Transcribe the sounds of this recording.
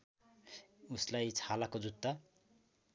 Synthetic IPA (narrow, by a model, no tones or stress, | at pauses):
uslajt͡sʰalakod͡zut̪ːa